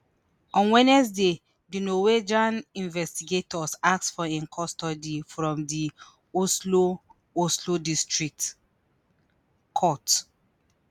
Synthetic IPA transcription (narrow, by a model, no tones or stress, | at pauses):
ɔ̃nwɛnɛs̬de | dinowed͡ʒãnĩnvɛstiɡetɔsak̚sfɔẽnkʰɔstɔdifɹɔ̃mdi | oslo | oslodistɹik̚t | kʰɔt